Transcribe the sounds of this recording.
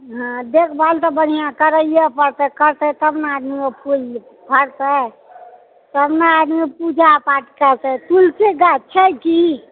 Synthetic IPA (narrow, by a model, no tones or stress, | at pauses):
ɦãd̪ekʰbʱalt̪ɔbən̤ijãkəɾəjepəɾt̪ɛkəɾt̪ɛt̪əbnaːd̪mimepu | pəɾt̪ə | t̪əbnaːd̪miepud͡ʒʱapaʈkəɾt̪ət̪ulseɡat͡ʃʰəki